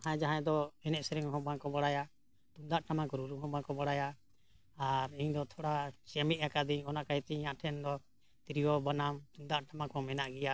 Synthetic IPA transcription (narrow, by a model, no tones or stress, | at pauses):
ɦãd͡ʒaɦãɛd̪ɔɛnɛʔsɛɾɛŋɦɔ̃bãkɔbaɽaja | t̪und̪aʔʈamãkɔɾuɾuɦɔ̃bãkɔbaɽaja | aɾiɲd̪ɔt̪ʰɔɽat͡ʃamit̪̚jakad̪iɲɔnaʔkajt̪ɛɲãʔʈʰɛnd̪ɔ | t̪iɾijɔbanamt̪und̪aʔʈamãkɔmɛnaʔɡɛja